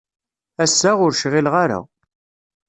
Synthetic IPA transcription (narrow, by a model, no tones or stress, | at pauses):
æsːæʁʊɾʃʁɪlʁaɾa̰